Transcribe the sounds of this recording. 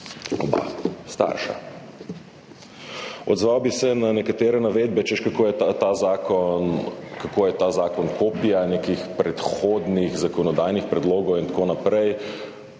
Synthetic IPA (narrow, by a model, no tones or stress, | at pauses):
ɔ̰ba̰st̪a̰ɾʃa̰ | ɔd̪zʋawbisɛnanɛkat̪eːɾɛnaʋeːd̪bɛt͡ʃɛʃkakoːjɛtat̪azakɔnkakoːjɛt̪aːzaːkɔnkoːpijanekixpɾɛt̪xoːd̪niɣzakɔnɔd̪aːjnixpɾɛd̪loːɡɔwint̪akoːnapɾɛj